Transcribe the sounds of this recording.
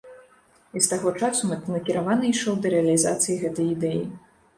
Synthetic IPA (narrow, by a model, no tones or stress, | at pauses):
ist̪aɣɔt͡ʂasunɐkʲiɾavanɐiʂɔwd̪ɐɾɛɐlʲizat̪sɨjiɣɛt̪ɐjid̪ɛjḭ